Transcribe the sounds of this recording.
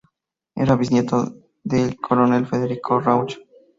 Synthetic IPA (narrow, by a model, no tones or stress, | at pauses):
ḛɾaβisnjet̪o | ðelkʰoɾone̞lfeðeɾikʰorawt͡ʃo̥